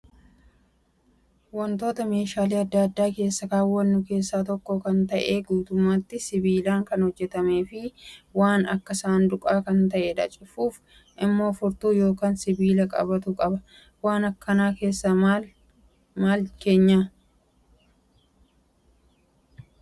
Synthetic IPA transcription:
wɐnt̪o̞ːt̪ɐme̞ːʃaːliːɐd̪ːɐːɐd̪ːaːke̞ːsːɐkaːwːɐnːʊke̞ːsːaːt̪ɔkːoːkɐnt̪ɐʔeːɡuːt̪ʊmːaːt̪ːɪsɪbiːlaːŋkɐnhɔd͡ʒːɛt̪ɐme̞ːfɪwaːnɐkːɐsaːnd̪ʊkʼaːkɐnt̪ɐʔeːᶑɐ̰t͡ʃʼɪfuːf | ʔɪmːo̞ːfʊɾt̪uːjo̞ːkaːnsɪbiːlɐkʼɐ̰bɐt̪ʊkʼɐbɐ | waːnɐkːɐnaːke̞ːsːa | maːlke̞ːɲːa

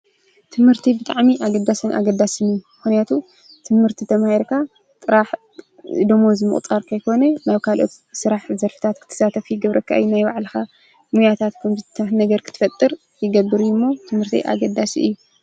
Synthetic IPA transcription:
t̪ʰɨmhɨɾt̪ʰibɨt̪ʼaʕmiʔaɡɐd̪asɐnʔa̰ɡɐd̪asɨnɨjumɨxnijat̪ʰu | t̪ʰɨmhɨɾt̪ʰit̪ʰɐmahiɾkʰa | t̪ʼɨɾaħ | d̪omozɨmɨ̰χʼt̪ʼaɾkʰɐjkʰo̞nɐnaβkʰalʔo̞̰t̪ | sɨɾaħzɐɾfɨ̥t̪ʰat̪kʰɨt̪ʰɐ̥sat̪ʰɐfjɪɡɐβɾɐkʰːaʔjːnajbaʕlɨxa | mujat̪ʰat̪kʰɐmzɨt̪ʰɐnɐɡɐɾkʰɨt̪ʰɨ̥fɐt̪ʼːɨɾ | jɪɡɐbːɨɾjumːo̞t̪ʰɨmhɨɾt̪ʰḭʔa̰ɡɐd̪ːasiʔɨ̰jːu

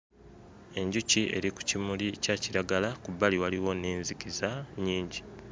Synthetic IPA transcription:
e̞ɲɟuciʔe̞̰ɾiku̥cimulicaːciɾaɡalakuβːaliwaliwo̞neːnzikizaɲiːɲɟi

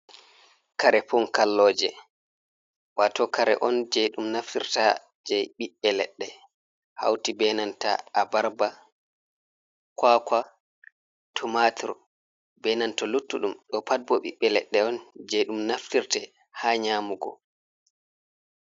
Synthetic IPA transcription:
kaɾɛpɔnkalːɔːd͡ʒɛ̰ | watɔkaɾɛ̰ʔɔnd͡ʒɛjɗumnaftiɾta | d͡ʒajɓiɓːɛlɛ̰ɗːɛ | ha̰wtibɛnanta̰abaɾba | kwaːka | tʰumatʰṵɾ | bɛnantɔlutːuɗumɗɔpat̚bɔɓiɓːɛlɛɗːɛɔnd͡ʒɛɗumnaftiɾtɛ | haːɲaːmuɡɔ̰

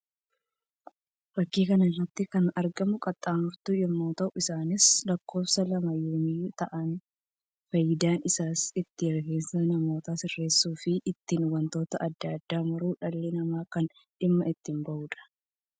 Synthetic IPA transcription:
fɐkːiːkɐnɐɪrːɐt̪ːɪkɐnɐɾɡɐmʊkʼɐt̪ʼːaːmʊɾt̪uːjɪmːoːt̪ɐʔʊɪsaːnɪslɐkːo̞ːpsɐlɐmɐjoːmɪt̪ɐʔɐn | fɐjɪd̪aːnɪsaːsɪt̪ːɪjɛɾɡeːnsɐnɐmo̞ːt̪aːsɪrːe̞ːsːuːfɪʔːt̪ːɪnwɐnt̪o̞ːt̪ɐʔɐd̪ːɐd̪ːaːmɐɾuːᶑɐlːɪnɐmaːkɐn | ᶑɪmːɐɪt̪ːɪmbɐʔuːᶑɐ̥

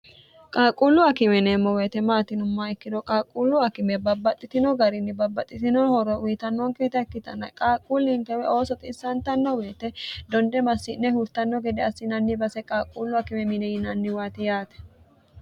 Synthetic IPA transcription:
kʼaːkʼulːʊɐkɪmɛneːmːɔweːt̪ɛmaːt̪ɪnʊmːɐɪkːɪd̪ɔkʼaːkʼːulːʊɐkɪmɛbɐbːɐt̪ʼːɪt̪ɪnɔɡɐɾɪnːɪbɐbːɐt̪ʼːɪt̪ɪnɔhɔɾɔʊjt̪ɐnːɔŋkeːt̪ɛɛkːɪt̪ɐnːɐ̰kʼaːkʼːulːiŋkɛwɛʔoːsɔt̪ʼɪsːɐnt̪ɐnːɔweːt̪ɛd̪ɔnd̪ɛmɐsːɪnːɛhʊɾt̪ɐnːɔɡɛd̪ɛɐsːɪnɐnːɪbɐsɛkʼaːkʼːulːʊɐkɪmɛmɪnɛjɪnɐnːɪwaːt̪ɪjaːt̪ɛ̥

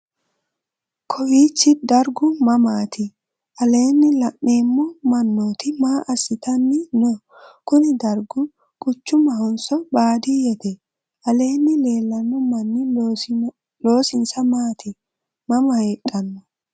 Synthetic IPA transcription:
kʰɔwiːt͡ʃːɪd̪ɐɾɡʊmɐmaːt̪ɪ | ʔɐle̞ːnːɪlɐʔːeːmːɔmɐnːoːt̪ɪmaːʔɐsːɪt̪ɐnːɪnɔ | kʊnɪd̪ɐɾɡʊ | kʼʊt͡ʃːʊmɐhɔnsɔbaːd̪ijɛt̪ɛ | ʔɐle̞ːnːɪleːlːɐnːʊmɐnːɪ | loːsɪnsɐmaːt̪ɪ | mɐmɐhekʼːɐnːɔ

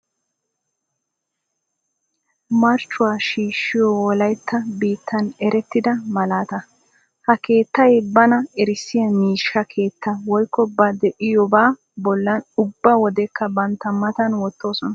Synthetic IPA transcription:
mɐɾt͡ʃːʊwaːʃiːʃːɪjɔwɔlɐjt̪ːɐbiːt̪ːɐnɛɾɛt̪ːɪd̪ɐmɐlaːt̪ɐ | hɐke̞ːt̪ːɐjbɐnɐɛɾɪsːɪjɐmiːʃːɐkʰe̞ːt̪ːɐwɔjkːɔbɐd̪ɛʔɪjɔbaː | bɔlːɐnʊbːɐwɔd̪ɛkʰːɐbɐnt̪ːɐmɐt̪ɐnwɔt̪ːo̞ːsɔnɐ

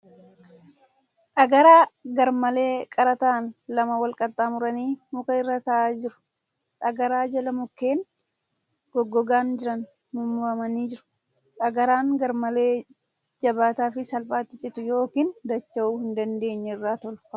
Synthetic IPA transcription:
ᶑɐɡɐɾaːɡɐɾmɐle̞ːkʼɐɾɐt̪aːnlɐmɐwɐlkʼɐt̪ʼːaːmʊɾɐniːmʊkɐɪrːɐt̪ɐʔaːd͡ʒɪɾʊ̥ | ᶑɐɡɐɾaːd͡ʒɐlɐmʊkːe̞ːn | ɡ̥ɔɡːɔɡaːnd͡ʒɪɾɐn | mʊmːʊfɐmɐniːd͡ʒɪɾʊ̥ | ᶑɐɡɐɾaːŋɡɐɾmɐleː | d͡ʒɐbaːt̪aːfɪsɐlpʼaːt̪ːɪt͡ʃʼɪt̪ʊjo̞ːkiːnd̪ɐt͡ʃːɐʔuːhɪnd̪ɐnd̪e̞ːɲːɛɪrːaːt̪ɔlʊ̥

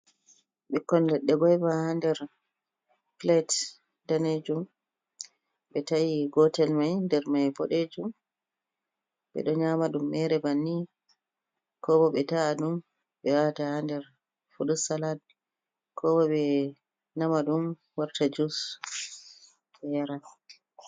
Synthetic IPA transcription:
ɓɛkːɔnlɛɗːɛɡɔjbahandɛɾ | plɛt | daned͡ʒum | ɓɛtajiɡɔtɛlmajndɛɾmajbɔɗed͡ʒum | ɓɛ̰ɗɔɲamaɗumːɛɾɛbanːi | kʰɔbɔɓɛtaːɗum | ɓɛwatahandɛɾ | fuɗusalad̚ | kʰɔbɔɓɛ | namaɗum | waɾtad͡ʒus | ɛjaɾa

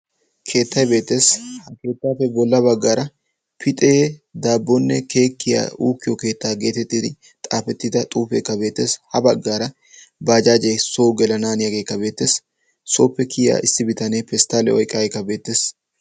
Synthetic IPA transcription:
kʰe̞ːt̪ːɐjbe̞ːt̪ːe̞ːshɐke̞ːt̪ːaːfɛbɔlːɐbɐɡːaːɾɐ | pʰɪt̪ʼeːd̪aːbːɔnːɛke̞ːkːɪja̰ːuːkːɪjɔke̞ːt̪ːaːɡe̞ːt̪ɛt̪ːiːd̪ɪ | t̪ʼaːfɛt̪ːɪd̪ɐt̪ʼuːfeːkːɐbe̞ːt̪ːe̞ːshɐbɐɡːaːɾɐ | baːd͡ʒaːd͡ʒɛjsoːɡɛlɐnaːnɪjɐɡe̞ːkːɐbe̞ːt̪ːe̞ːsː | oːpːɛkʰɪja̰ːʔɪsːɪbɪt̪ɐnepɛst̪aːlɛ̰ɔjkʼːɐkːɐbe̞ːt̪ːe̞ːs

